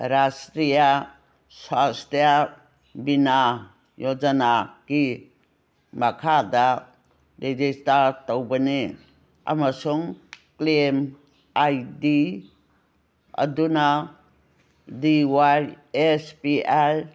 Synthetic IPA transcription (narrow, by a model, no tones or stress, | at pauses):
ɾastɾija | sastɾija | bina | jod͡ʒanaki | makʰada | ɾed͡ʒistaɾtowbani | a̰masuŋklem | ajdi | a̰duna | diwaj | espiaj